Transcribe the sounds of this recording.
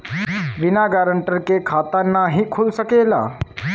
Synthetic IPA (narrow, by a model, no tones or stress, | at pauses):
ʋɪnaɡaɾəɳʈəɾkekʰaːt̪ãnːaɦiːkʰulsəkela̰ː